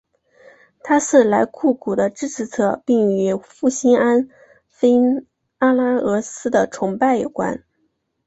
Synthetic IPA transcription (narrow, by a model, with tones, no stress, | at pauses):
t̪ʰa˥ʂɹ̩˥˩la˧˥ɪkʰu˥˩kʰu˨˩d̪ə˦ʈ͡ʂɻ̩˥ʈ͡ʂʰɻ̩˧˥t͡sʰɤ˥˩pi˥˩ŋy˧˥fu˥˩ɕi˥na˥n | fe˥n | a˥la˥ɤ˧˥sɹ̩˥d̪ə˨ʈ͡ʂʰʊ˧˥ŋpa˥˩ɪjo˨˩ʊkwa̰˥n